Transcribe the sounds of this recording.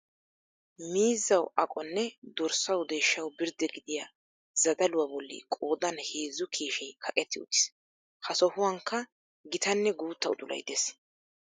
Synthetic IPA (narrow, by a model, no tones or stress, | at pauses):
miːzːɐwɐkʼɔnːɛd̪ɔɾsɐwd̪eːʃːɐwbɪɾd̪ɛɡɪd̪ɪja | zɐd̪ɐlʊwɐbɔlːḭkʼo̞ːd̪ɐnheːzːʊkʰiːʃɛjkʰɐkʼɛt̪ːɪʊ̰t̪ːɪ̥s | hɐsɔhʊwɐŋkːɐ | ɡɪt̪ɐnːɛɡuːt̪ːɐwʊd̪ʊlɐ̰jd̪es